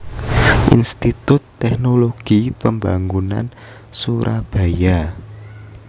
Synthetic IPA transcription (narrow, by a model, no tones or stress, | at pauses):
ʔḭnst̪it̪ʊt̪ːɛknoloɡ̥ipəmbaŋuna̰n | suɾʔab̥a̤ja